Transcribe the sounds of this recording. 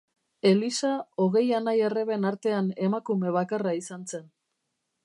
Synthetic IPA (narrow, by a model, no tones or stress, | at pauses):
e̞lisaoɣe̞janajereβe̞naɾt̪e̞ane̞makume̞β̞akaraisanse̞n